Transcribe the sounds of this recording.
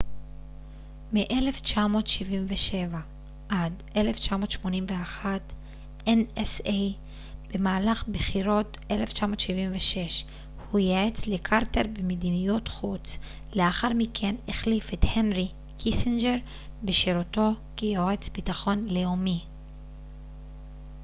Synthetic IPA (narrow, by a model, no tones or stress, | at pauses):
miʔele̞ft͡ʃamo̞ːtʃivimveʃe̞va | ʔad | eleft͡ʃamo̞ːtʃmo̞nimveaχat | ʔenesej | b̥e̞maːlaχbeχiʁo̞tʔe̞left͡ʃamo̞ːtʃivimveʃe̞ʃ | hujaet͡slekʰaʁteʁbemedinijutχut͡s | leaχaʁmikʰe̞neχlifethenʁi | kʰisind͡ʒeʁ | beʃeɾoto̞ | kijoet͡sbitaχo̞nlejomi